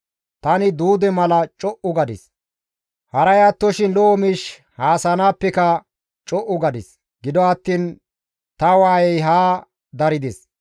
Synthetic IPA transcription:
t̪ɐnɪd̪uːd̪ɛmɐlɐt͡ʃʼɔʔʊɡɐd̪ɪs | hɐɾɐjaːt̪ːɔʃɪnlɔːmɪʃ | haːsɐnaːpːɛkɐ | t͡ʃʼɔʔʊɡɐd̪ɪs | ɡɪd̪ɔɐt̪ːiːn | t̪ɐwaːjɛjɦaː | d̪ɐɾɪd̪es

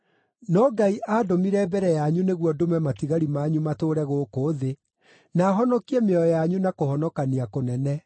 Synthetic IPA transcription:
nɔɡaiʔaːdomiɾɛbɛɾɛjaɲuneɣwɔdomɛmatiɣaɾimaɲumatoːɾɛɣokoðe | naːɦɔnɔkiɛmeɔjaɲunakohɔnɔkaniakonɛnɛ

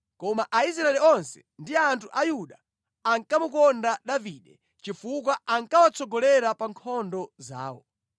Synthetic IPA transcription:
kɔmaʔais̬ɾaɛliɔnsɛ̥ | ndiantʰuʔajuɗaː | ŋkamukɔndaɗaviɗɛ | t͡ʃifuk̬waaŋkawat͡sɔɡɔlɛɾapaŋkʰɔndɔza̰ːwɔ̰

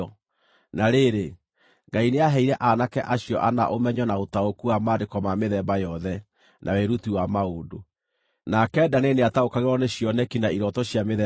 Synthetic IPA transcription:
ɔ | naɾeɾe | ŋɡaineaɦɛiɾɛʔanakɛʔaɕjɔʔana̰ʔomɛɲɔnaotaokuamadekɔmameðɛbajɔðɛ | nʔa̰weɾutiwamaodo | nakɛːdaneneataokaɣeɾɔneɕijɔnɛkinaiɾɔtɔɕjameðɛ

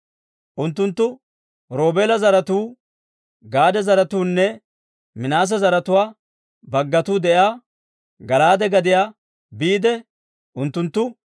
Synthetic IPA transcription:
ʔʊnt̪ːʊnt̪ːʊ | ɾo̞ːbeːlɐzɐɾɐt̪uː | ɡaːd̪ɛzɐɾɐt̪uːnːɛ | mɪnaːs̬ɐzɐɾɐt̪ʊwaː | bɐɡːɐt̪uːd̪ɛʔaː | ɡɐlaːd̪ɛɡɐd̪ɪjaː | biːd̪ɛ | ʔʊnt̪ːʊnt̪ːʊ

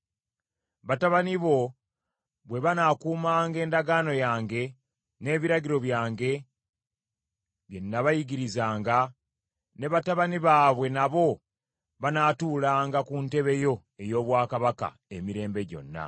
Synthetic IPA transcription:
βataβaniβo̞ | βwe̞βanakuːmaːŋɡe̞ːndaɡaːno̞jaːŋɡe̞ | ne̞ːβiɾaɟiɾo̞βjaːŋɡe̞ | βje̞nːaβajiɟiɾizaːŋɡa | ne̞βataβaniβaβwe̞naβo̞ | βanaːtuːlaːŋɡakunte̞βe̞jo̞e̞jo̞ːβwaːkaβaka̰ | e̞miɾe̞ːmbe̞ɟo̞̰nːa̰

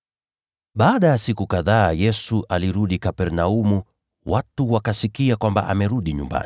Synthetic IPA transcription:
ɓaːɗajasikukaðaːjɛsuʔaliɾuɗikapɛɾnaumu | watuwakasikiakwamba̰ʔa̰mɛɾuɗiɲumba̰nii

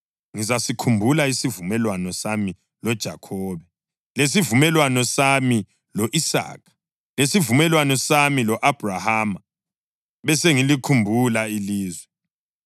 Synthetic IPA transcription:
ŋizasikʰumbʱulaisivumɛlwanɔsami | lɔd̥ʒ̥ʱa̰kʰɔːβɛ | lesivumɛlwanɔsami | lɔʔisa̰ːk̚ʰḁ | lesivumɛlwanɔsamilɔʔab̥ʱrahaːma | βɛseŋilikʰumbʱulailiːzwɛ

